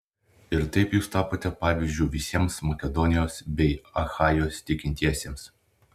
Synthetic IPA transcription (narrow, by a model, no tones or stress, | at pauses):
ɪɾt̪ɐɪpjuːst̪ɑːpoːt̪ʲɛpɑːʋʲɪzʲd͡ʒʲʊːʋʲɪsʲiɛmsmɐkʲɛd̪ɔnʲɪjoːsbʲɛɪɐxɑːjoːst̪ʲɪkʲɪnʲt̪ʲiɛsʲeːms